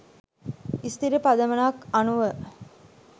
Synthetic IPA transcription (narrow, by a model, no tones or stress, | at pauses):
ist̪iɾipad̪əmənakanuʋə